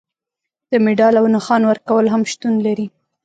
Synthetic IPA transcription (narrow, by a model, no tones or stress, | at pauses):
d̪̥əmɪɖɑlawnəxɑnwəɾkawəlɦamʃt̪unlaɾi